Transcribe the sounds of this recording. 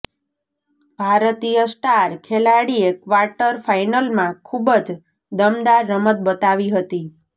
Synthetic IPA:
bʱaɾət̪ijəsʈaɾkʰelaɽiekʋaɾʈəɾfajnəlmãkʰubəd͡ʒ | d̪əmd̪aɾːəmət̪̚bət̪aʋiɦət̪i

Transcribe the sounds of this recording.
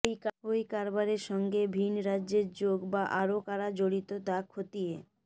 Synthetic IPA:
jojkaɾbaɾeɾʃɔŋɡebʱinɾadːd͡ʑeɾd͡ʑoɡbaʔaɾokaɾad͡ʑoɽit̪ot̪akʰot̪ije

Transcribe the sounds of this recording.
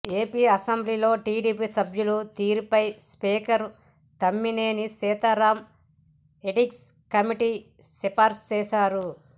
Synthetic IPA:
e̞ːpiːɐsɐmbliːlo̞ːʈiːɖiːpiːsɐbʱjulut̪iːɾupɐjspiːkɐɾ | t̪ɐmːineːnisɛːt̪ɐɾaːm | eʈikskɐmiʈi | sepaːɾst͡ʃɛːʃaːɾu

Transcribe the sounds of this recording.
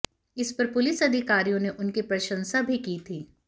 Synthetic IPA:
ɪspɐɾpʊlɪsɐd̪ʱɪkaːɾijõneʔʊnkipɾɐʃə̃nsabʱikiːt̪ʰiː

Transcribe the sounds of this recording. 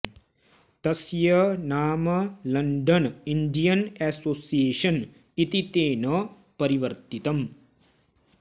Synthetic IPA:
t̪ɐsjɐnaːmɐlɐɳɖɐniɳɖijɐnɛːsoːsijeːʂɐn | it̪it̪eːnɐ | pɐɾiʋɐɾt̪it̪ɐm

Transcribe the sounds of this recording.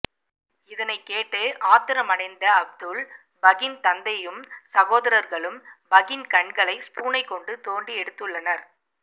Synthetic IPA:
ɪðɐnɐɪkːeːʈːɯʔaːt̪ɪɾɐmɐnɐɪnd̪ɐɐb̚d̪ɯɭ | bɐɣɪnt̪ɐnd̪ɐjɯmsɐɣoːðɐɾɐɾɣɐɭɯmbɐɣɪnkɐɳɡɐɭɐɪspuːnɐɪkːɔɳɖɯt̪oːɳɖiɛɽɯt̪ːɯɭːɐnɐɾ

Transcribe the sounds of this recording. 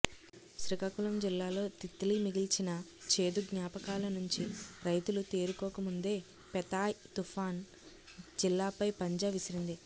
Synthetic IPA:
ʃɾikaːkulɐmd͡ʒilːaːlo̞ːt̪it̪ːilimiɡilt͡ʃinɐt͡ʃe̞ːd̪uɡɲaːpɐkaːlɐnuɲt͡ʃiɾɐjt̪ulut̪eːɾukɔːkɐmund̪e̞ː | pɛt̪aːt̪ufʰaːn | d͡ʒilːaːpɐjpɐɲd͡ʒɐʋisɐɾind̪i

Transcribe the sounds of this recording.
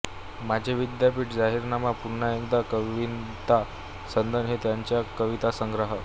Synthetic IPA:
mad͡ʑʱeʋid̪japiːʈd͡zaɦiɾnamapuɾɳajənd̪akəʋint̪a | sənd̪ənɦet̪jaɲt͡ɕjakəʋit̪asəŋɡɾəɦə

